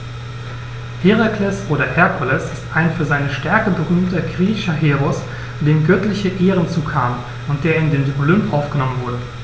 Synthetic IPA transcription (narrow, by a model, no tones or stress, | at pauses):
heʁekʰlɛsʔoːɾɐhɛɐkʰɔlɛsɪstʔaɪnfyːɐzaɪnəʃtɛɐkəbəʁyːmtɐɡʁiːɪçɐɦeːʁɔs | d̥eːmɡœtlɪçəʔeːʁənt͡suːkʰaːm | ʊnt̚d̥eːɐɪndeːnolʏmpʔaʊfɡ̥ənɔmənvʊɐdə